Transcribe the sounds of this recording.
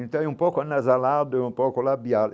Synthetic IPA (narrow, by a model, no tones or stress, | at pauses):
ĩnt̪ãɛũmpɔkoanazalad̪ʊeũmpɔkolabjal